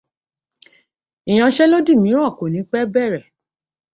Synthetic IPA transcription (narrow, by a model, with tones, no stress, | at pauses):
i˨j̃ã˧ʃɛ˦lo˦di˦˨mĩ˨˦ɾ̃ã˦˨ko˨nĩ˨˦k͡pɛ˦bɛ˦˨ɾɛ˨